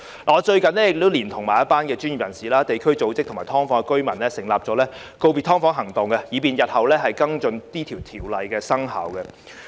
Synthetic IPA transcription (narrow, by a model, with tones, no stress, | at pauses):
laː˨ɔː˨˧t͡ʃɵ˧ɥkɐ˨˧nlɛ˥jɪ˨k̪̚ːt̪ːliː˨˩nt̪ʰʊ˨˩ŋmaː˨˩jɐ˥paː˥nkɛː˧t͡ʃyː˥nji˨p̚jɐ̰˨˩nsiː˨˩laː˥t̪e˨jkʰɵ˥ɥt͡so˨˥wt͡sɪ˥k̚tʰmaː˨˩jt̪ʰɔː˥ŋfɔː˥ŋɛ˧kɵ˥ɥmɐ˨˩nlɛː˥sɪ˨˩ŋlaː˨p̚t͡ʃɔː˨˥lɛː˥ | ko˧wpiː˨˧t̪ʰɔː˥ŋfɔː˨˥ŋɦɐ˨˩ŋt̪ʊ˨ŋkɛ˧jiː˨˧piː˨njɐ˨t̚hɐ˨wlɛː˥ɦɐ˨jkɐ˥ŋt͡ʃɵ˧nt̪iː˥t̪ʰi˨˩wt̪ʰiː˨˩wlɐ˨jkɛː˧sɐ˥ŋɦɐ̰ː˨˥wkɛ˧